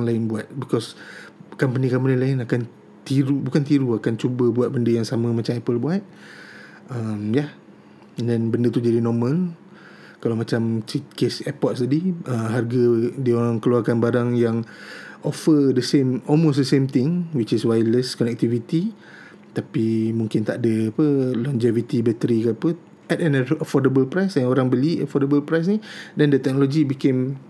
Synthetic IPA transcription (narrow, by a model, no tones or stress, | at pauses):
ŋlaɪnbuat̪̚bikɔskampənikampanilaɪnakan | t̪iɾubukant̪iɾuakant͡ʃubəbuat̪̚bəndəjaŋsamə̃mat͡ʃamɛpəlbuat̪̚ | əmja | ɛndɛnbəndət̪ud͡ʒadinɔmə̃l | kalawmat͡ʃamt͡ʃit̪̚kesɛpɔt̚st̪adiʔəɦarɡadioɾaŋkəluarkanbaɾaŋjaŋʔɔfədəsẽmɔlmos̬dəsẽmt̪ɪ̃ŋwit͡ʃiswajləskɔnɛk̚t̪ivit̪i | t̪apimũŋkɪnt̪aʔdəapəlɔnd͡ʒevit̪ibɛt̪əɾikəapə | ɛtɛnəfɔdəbəlpɾajsɛ̃noɾaŋbəliəfɔdəbəlpɾajs̬nidɛndət̪ɛk̚noloɡibikem